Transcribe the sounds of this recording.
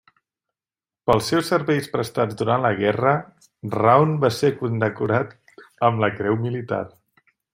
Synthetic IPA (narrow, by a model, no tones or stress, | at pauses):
pəlˠsɛwsːəɾβɛjspɾəst̪ad͡zd̪uɾanləɣ̞ɛrə | rawnbasekund̪əkuɾat̪ | əmləkɾɛwmilit̪a̰r